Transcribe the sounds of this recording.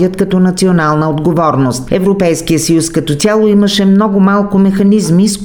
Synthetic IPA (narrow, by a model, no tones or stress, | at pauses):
ət̪kɐt̪ɔnɐt̪sionalˠnəod̪ɡovɔɾnost̪ɛvɾopɛjskijəsɐjuskɐt̪ɔt̪sʲalˠoiməʃɛmnɔɡʊmalˠkʊmɛxɐnizmis